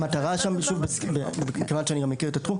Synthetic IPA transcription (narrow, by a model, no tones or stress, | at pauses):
mat̪aʁaʃambʃuvbesbeekevanʃeaniɡamːekiʁetat̪χum